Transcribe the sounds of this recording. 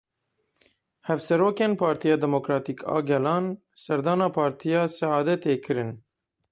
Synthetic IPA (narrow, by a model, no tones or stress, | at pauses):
hɛvsɛɾoːkeːnpʰɑːɾt̪ʰijɑːd̪ɛmokɾɑːt̪iːkʰɑ̰ːɡɛlɑːn | sɛɾd̪ɑːnɑːpʰɑːɾt̪ʰijɑːsɛɑːd̪ɛt̪eːkʰɨɾɨn